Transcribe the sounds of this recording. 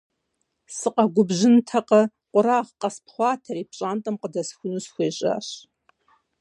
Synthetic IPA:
sɨqʼaɡʷʊbʒɪntʰaqʼə | qʷʼʊɾaːʁqʼɐspʰχʷɑːtʰɐɾipʰɕʼantʼɐmqədɐsxʷʊnɨsxʷeːɕʼa̰ɕ

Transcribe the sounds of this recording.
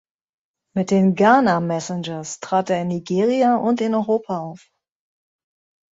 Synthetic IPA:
mɪt̚d̥eːnɡaːnamɛsɪnd͡ʒɐstʁ̥aːteːɐɪnːiɡeːʁ̞iaʔʊntɪnɔʏʁoːpʰaaʊf

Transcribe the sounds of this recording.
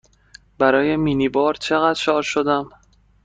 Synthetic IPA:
bæɾɒːje̞miːniːbɒːɾt͡ʃʰe̞ɣæd̪̥ʃɒːɾʃod̪æm

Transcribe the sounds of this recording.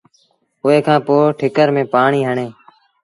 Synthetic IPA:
ʊeːkʰãːpoːʈʰɪkəɾmẽːpaːɳiːɦəɳeː

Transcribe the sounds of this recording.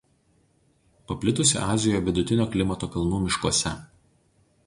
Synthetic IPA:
pɐpʲlʲɪt̪ʊsʲɪ̰ʔɑːzʲɪjojʋʲɪd̪ʊt̪ʲɪnʲoːkʲlʲɪmɐt̪oːkɐlˠnuːmʲɪʃkuɔsʲɛ

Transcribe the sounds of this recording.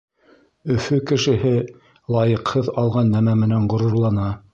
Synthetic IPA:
ɵ̆fɵkɘ̆ʃɘ̆ɦɘ | lˠɑjɤ̆qhɤðɑlˠʁɑnːæmæmɘ̆næɴɢŏɾŏɾlˠɑnɑ

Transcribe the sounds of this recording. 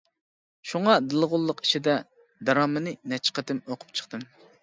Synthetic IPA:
ʃuŋɑd̪ɨlˠʁʊlˠːəqi̥ʃid̪ɛ | d̪ɑɾɑːmɨnɨnɛt͡ʃʰqæt̪ɪmoqʰʊ̥p̚t͡ʃʰə̥χt̪ɨn

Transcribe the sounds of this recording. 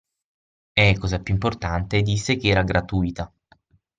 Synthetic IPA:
ɛkːɔːzapjuimport̪ant̪ed̪ːisːekeɛːɾaɡɾʔat̪uit̪a

